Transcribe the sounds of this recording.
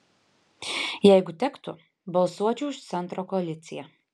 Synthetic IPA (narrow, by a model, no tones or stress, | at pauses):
jɛɪɡʊt̪ʲɛkt̪ʊ | bɐlˠsuɔt͡ʃʲuːɪʃt̪sʲɛnt̪ɾoːkɔɐlʲɪt̪sʲɪjɛ